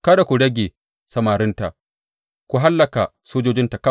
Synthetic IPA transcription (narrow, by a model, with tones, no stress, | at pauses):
kɐ˦da˨kʷu˨ɽɐ˦ɡʲe˨ | sɐ˨maː˨ɾɪ˦nta˨ʔ | kʷu˨ɦa˦lːɐ˨ka˨soː˦d͡ʒoː˦d͡ʒɪ˦nta˨kɐ˦